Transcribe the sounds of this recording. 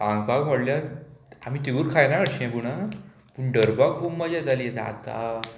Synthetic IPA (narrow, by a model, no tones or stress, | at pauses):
aŋɡ̚baɡmoɽljaa̰m̤iːt̪euːɾkʰajnaəɽɕiɛ̃puɽ̃a | puɳɖəɾbaɡkʰubməd͡ʑad͡zaliet̪a̰t̪a̰